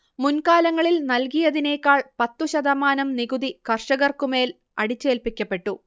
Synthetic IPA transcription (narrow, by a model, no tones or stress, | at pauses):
munkaːlɐŋːɐɭilnɐlkijɐðine̞ːkːaːɭpɐt̪ːuɕɐd̪ɐmaːnɐmniɣud̪ikɐrʂɐɣɐrkume̞ːl | ɐɽit͡ɕːe̞ːlpikʲːɐpːe̞ʈːu